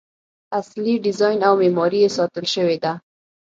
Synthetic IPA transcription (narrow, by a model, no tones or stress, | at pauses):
asliɖɪzɑjnawmemɔɾijesɑt̪əlʃəwed̪a